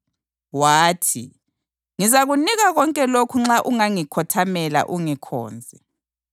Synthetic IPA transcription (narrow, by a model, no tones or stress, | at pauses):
waːtʰḭ | ŋizaɣuniɣaɣɔŋkʼɛlokʰuŋ͡ǁaʔuŋaŋikʰɔtʰamɛla̰ʔuŋikʰɔ̰ːnd͡zʱɛ